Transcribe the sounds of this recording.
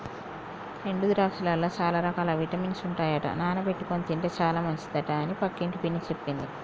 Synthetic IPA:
ɾe̞ɳɖud̪ɾaːksɐlɐlːɐːt͡ʃaːlaːɾɐkaːlɐʋiʈɐmiːnsuɳʈaːjɐʈɐ̰naːnɐpe̞ʈːukonit̪iɳʈet͡ʃaːlaːmɐɲt͡ʃid̪ɐʈaɐnipɐkːiɳʈupinːit͡ʃe̞pːind̪i

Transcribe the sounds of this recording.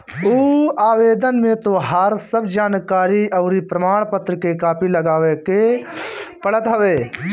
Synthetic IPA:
uːaːweːd̪ənmẽt̪oɦɐɾsəbd͡ʒaːnkaːɾiɐʊɾipɾɐmaːɽ̃pət̪ɾəkekaːpʰilɐɡaːʋeke | pɐɽət̪ɦɐʋeː

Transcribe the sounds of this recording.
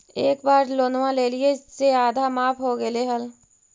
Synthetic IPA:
eːkbaːɾloːnʋãleːliesseaːd̪ʱamaːpɦoɡəleɦəl

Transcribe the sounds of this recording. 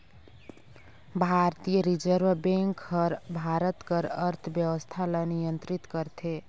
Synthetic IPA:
bʱaɾt̪ijəɾid͡ʒəɾbbẽŋkhəɾbʱaɾət̪kəɾəɾt̪ʰbjəwəst̪ʰalənijənt̪ɾit̪kəɾt̪ʰe

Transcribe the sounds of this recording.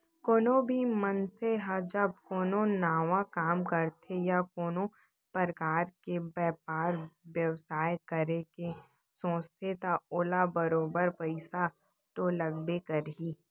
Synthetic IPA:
koːnõbʱimənseɦad͡ʒəb̚koːnonaːʋakaːmkəɾt̪ʰejakoːno | pəɾəkaːɾkebɛːpaːɾʋjɐwsaːjkəɾeke | sõːst̪ʰet̪aoːlabəɾoːbəɾpɐɪsa | t̪olɐɡbekəɾɦiː

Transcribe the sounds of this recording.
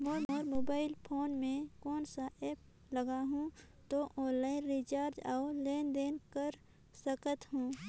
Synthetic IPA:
moːɾmɔːɾmoːbaːɪlpʰoːnmẽkɔːnsaʔeːp̚ | ləɡaɦũ | t̪oʔɔ̃ːnlaːɪnɾit͡ʃaːɾd͡ʒaʊleːnd̪eːnkəɾ | səkət̪ɦũː

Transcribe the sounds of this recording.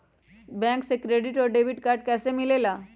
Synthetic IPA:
bɛ̃ŋksekɾeɖiʈɔɾɖeʋiʈkaɾɖ̚kɛsemilela

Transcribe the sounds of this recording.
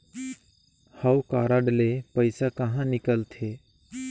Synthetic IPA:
həwkaːɾəɖlepəɪsakəɦãnɪkəlt̪ʰeː

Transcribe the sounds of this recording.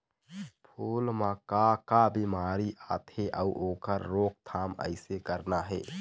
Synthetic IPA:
pʰuːlmakakabimaːɾiʔaːt̪heʔəuʔoːkəɾːoːk̚t̪ʰaːmə̰ɪsekəɾnaɦɛː

